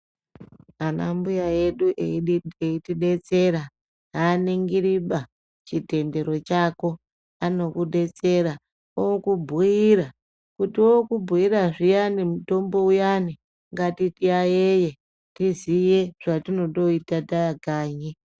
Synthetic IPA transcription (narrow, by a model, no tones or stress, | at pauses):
anambujaje̞ɗuʔeeitiɗe̞t͡se̞ɾa | ɦaːneŋɡiɾiɓa | t͡ʃite̞nde̞ɾo̞t͡ʃako̞ | ano̞kuɗe̞t͡se̞ɾa | okubʱuiɾa | kutiokubʱuiraʐijanimuto̞mbo̞ujani | ŋɡatitiajeje̞ | tizije̞ʐ̥atino̞to̞itatajaɡʱaːɲi